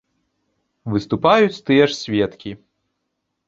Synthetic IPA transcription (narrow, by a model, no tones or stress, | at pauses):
vɨst̪upajut͡sʲt̪ɨjɛʂsʲvʲɛt̪kʲi